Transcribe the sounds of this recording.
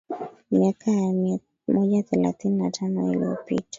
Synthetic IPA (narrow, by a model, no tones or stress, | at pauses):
miakʰaja | mɔd͡ʒaθɛla̰t̪ininatʰanɔḭlḭopḭtḁ